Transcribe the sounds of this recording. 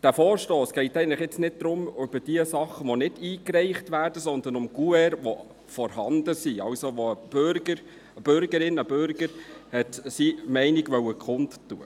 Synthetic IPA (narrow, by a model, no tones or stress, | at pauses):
d̥æːfɔːɾʃtoːsɡ̥ɛɪtɛɪənləχjɛt͡snɪt̚d̪̥ɾʊmʉb̥əd̥iəsɑχːəʋonɪdiːkrɛɪχtʋæːɾd̥əsɔnd̪ənʊmɡ̥uɛɾʋo | fɔɾhɑnd̥̪əsiɑwsoʋoəb̥øɾɡəɾ | əb̥ʏɾɡəɾɪnəbøɾɡəɾhɛtsimɛɪnɪɡʋœwəkχʊndtːuə